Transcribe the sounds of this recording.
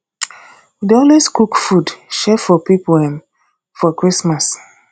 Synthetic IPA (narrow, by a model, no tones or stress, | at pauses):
dɔlweskukfudʃɛfɔpipoɛ̃m | fɔkɹismas